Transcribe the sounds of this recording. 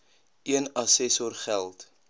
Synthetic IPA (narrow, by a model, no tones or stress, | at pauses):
iənɐsɛsɔrχælˠt